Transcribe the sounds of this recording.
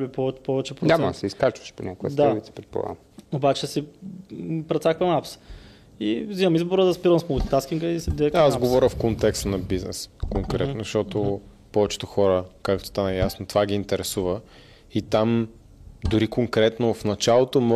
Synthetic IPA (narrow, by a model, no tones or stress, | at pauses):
bipɔvɛpɔvɛt͡ʃɛpɾoɲamɐɐsɛiskat͡ʃvə̥ʃponʲakojə̰sd̪abit̪sɛ̥pɾɛt̪̚po̰a̰ | obat͡ʃɛsi | pɾɐt̪sakvɐmaps | iziɐmizboɾəd̪ɐspiɾəmsmolʲit̪askʲiŋkəisɛd̪ɛkasɡovɔɾʲəfkont̪ɛkst̪nɐbiznɛ̰skoŋkɾɛt̪nozɐʃt̪ɔt̪o | pɔvɛt͡ʃɛ̥t̪ʊxɔɾəkakt̪o̥st̪anɛjasnot̪ovaɡ̟ʲiːnt̪ɛɾɛsuvə | it̪am | d̪ʊɾikoŋkɾɛt̪nofnɐt͡ʃalˠot̪omɔ